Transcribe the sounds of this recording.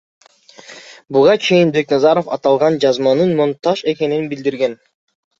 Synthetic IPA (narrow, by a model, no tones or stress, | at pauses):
buʁɑt͡ʃʰe̞jinbe̞knɑzɑɾofɑt̪ɑlˠʁɑnd͡ʒɑzmɑnɯnmont̪ɑʃe̞ke̞ninbild̪iɾɡe̞n